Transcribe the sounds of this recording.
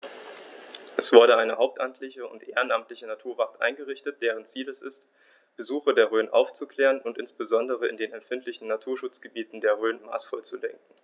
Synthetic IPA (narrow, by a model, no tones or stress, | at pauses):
ʔɛsv̥ʊɐdəʔaɪnəhaʊp̚tʔamtʰlɪçəʊ̰ntʔeːʁənʔamtlɪçənatʰuːɐvatʔa̰ɪnɡəʁɪçtət̚d̥eːʁ̞ənt͡siːlɛsɪst | b̥əzuːxɐdeːɐʁøːnʔa̰ʊft͡sukʰl̥ɛːʁənʊntʔɪnsb̥əzɔndəʁ̞əɪndeːnɛmfɪntʰlɪçn̩natʰuːɐʃʊt͡sɡ̥əbiːtn̩deːɐʁøːnma̰ːsfɔlt͡sulɛŋkŋ̩